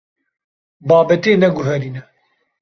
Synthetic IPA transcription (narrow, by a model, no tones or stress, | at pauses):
baːbɛt̪eːnɛɡuɦɛɾiːnɛ